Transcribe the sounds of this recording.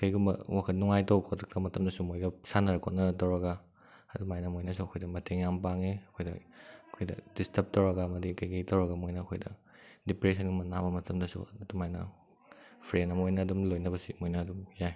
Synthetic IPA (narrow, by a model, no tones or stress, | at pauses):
kɐjɡumbɐ̰wakʰɐt̚nuŋajtɐwkʰotɐk̚tɐmɐtʰɐmdɐsumojɡɐsanɐɾɐkʰot̚nɐtɐwɾɐɡa | ɐdumajnɐmojnɐsuɐkʰojdɐmɐtʰeŋjampaŋeɐkʰojdɐ̰ɐkʰojdɐ̰d̥istʰɐp̚tɐwɾɐɡaːmɐdikɐjkɐjtɐwɾɐɡamojnɐːkʰojdɐ | dipɾesɐnɡimɐnabɐmɐtʰɐmdɐsṵɐdumajnɐ̰ | pʰɾenɐmojnɐːdumlojnɐbɐsimojnɐːdumjaj